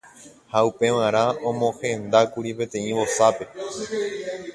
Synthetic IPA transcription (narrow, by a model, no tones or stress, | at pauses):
haupe̞ʋãɾ̃ãõmõ̞hẽ̞nd̪akuɾipẽ̞t̪ẽ̞ĩβo̞sape̞